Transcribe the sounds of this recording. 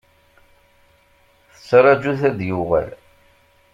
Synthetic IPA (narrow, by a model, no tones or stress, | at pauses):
θə̥t͡sːɾˤɑd͡ʒuθæðjʊʁə̰l